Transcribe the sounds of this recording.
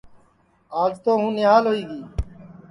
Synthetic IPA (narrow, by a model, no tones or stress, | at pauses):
aːd͡ʒt̪oːɦũːnɪɦaːlɦoːiːɡiː